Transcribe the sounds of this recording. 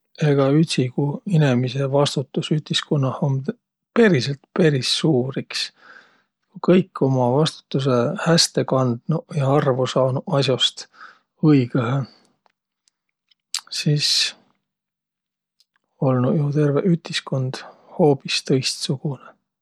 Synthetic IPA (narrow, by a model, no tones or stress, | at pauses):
e̞ɡ̥ɑyt̪ʲsikuinemise̞vɑst̪ut̪ːˑusyt̪iskonːɑhomd̪ | pe̞ɾiselt̪pe̞ɾisːuːɾiks | kukɤjkːo̞mɑvɑst̪u̥t̪ːˑus̬e̞hæst̪e̞kɑnd̪̥nujɑɑrvosɑːnuɑsjost̪ | ɤjɡ̥eɦe | sis | o̞lnujut̪e̞rveʔyt̪isko̞nd̪̥ho̞ːpist̪ɤjst̪suɡ̥une